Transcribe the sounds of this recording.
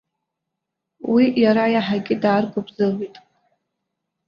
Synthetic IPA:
wijaɾajaħaɡʲʼɪdaːrɡʷʊbzɨlwitʼ

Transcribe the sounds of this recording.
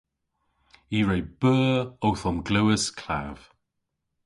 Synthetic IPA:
iːɹejb̥ɜːowθɔmɡləwəskʰla̰v̥

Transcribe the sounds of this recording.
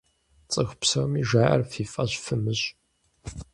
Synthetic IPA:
t͡sʼɨxʷpsɐwmiʒaːʔɐ̰rfiːfʼɐɕfɨmɨɕʼ

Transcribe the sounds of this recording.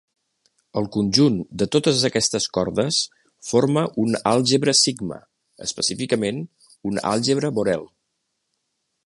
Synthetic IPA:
əlˠkunʲʒund̪ət̪ot̪əzəkɛst̪əskɔɾðəs | foɾməʔunalˠʒəβɾəsiɡmə̰ | ə̰spəsifikəmen | una̰lˠʒəβɾəβoɾɛlˠ

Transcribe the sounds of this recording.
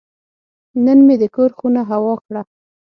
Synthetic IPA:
nənmed̪əkoɾxunaɦawɑkɽa

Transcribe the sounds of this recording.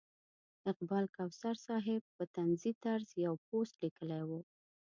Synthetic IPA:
ɪq̚bɑlkawsaɾsɑɦɪb̚pət̪anzit̪aɾzjawp̚ost̪likəlajwu

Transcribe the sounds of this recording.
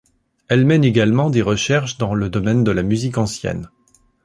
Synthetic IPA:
ɛlmɛneɡalmɑ̃d̪eʁəʃɛʁʃd̪ɑ̃ləd̪ɔmɛnd̪əlamyzikɑ̃sjɛ̰n

